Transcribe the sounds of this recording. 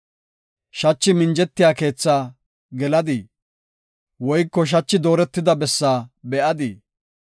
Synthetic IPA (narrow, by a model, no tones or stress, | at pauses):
ʃɐt͡ʃːɪmɪnd͡ʒɛt̪ːɪjaːke̞ːt͡sːaː | ɡɛlɐd̪ɪ | wɔjkːɔʃ̬ɐt͡ʃːɪd̪o̞ːɾɛt̪ːɪd̪ɐbɛsːaːbɛʔɐd̪ɪ